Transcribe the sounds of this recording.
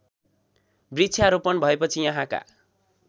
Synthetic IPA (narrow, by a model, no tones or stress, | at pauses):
brit͡sʰjaɾopʌnbʱʌepʌt͡sʰijʌɦãka̰